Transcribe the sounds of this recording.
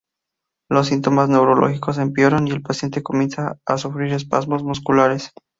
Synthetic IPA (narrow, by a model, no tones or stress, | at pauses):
los̬ːint̪o̞mazne̞wɾolo̞̰xiko̞sempjoɾonie̞lpasje̞nt̪e̞ko̞mje̞nsaːsufɾiɾe̞spa̰zmo̞zmuskulaɾe̞s